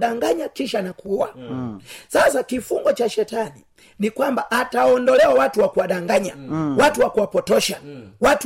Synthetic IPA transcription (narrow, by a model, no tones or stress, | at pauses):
ɗaŋɡaɲakiʃanakʰuwa | sasakifuŋɡɔt͡ʃaʃɛtani | nikwambaʔataɔndɔlɛwawatuwakuwaɗaŋɡaɲawatuwakuwapɔtɔʃawat